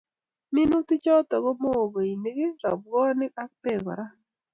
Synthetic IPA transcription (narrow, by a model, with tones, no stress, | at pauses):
mɪ˦nu˦tɪ˦t͡ʃɔ˦t̪ɔ˨ɡɔ˦mo˦o˨ɡo˨i˨ne˦ɡe˦ɾɔ̰˨b̚ɡɔ˦nɪ˦ka˦k̚pe˨ɡɔ̰˨ɾa˦